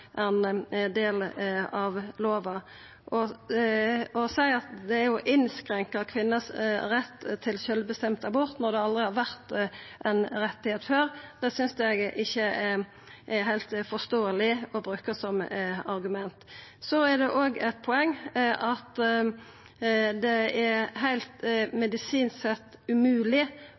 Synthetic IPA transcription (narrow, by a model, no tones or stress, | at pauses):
ʔɛnd̪eːlɑʋloːʋɑ | ʔɔ | ɔsæɪɑt̪d̪ɛæɾjʊʔɪnskɾɛŋkɑkʰʋɪnːəsɾɛt̪ːt̪ʰːɪlsœlbəst̪ɛmt̪ɑbɔɾt̪nɔɾd̪ɛɑld̪ɾɪhɑɾʋæʁt̪ʔɛnɾɛt̪ːɪheːt̪føːɾd̪̥ɛsʏnsd̪ɛɡʔɪçːə | ʔɛɦæɪlt̪fɔst̪oːəlɪɔbɾʉːkəsɔmɑɾɡʉmɛnt̪sɔɛɾd̪ɛʔoːɡɛt̪̚pʰɔɛŋːʔɑt̪ | d̪ɛæɾɦæɪlt̪mɛd̪ɪsiːnsɛt̪ːʉmʉːlɪ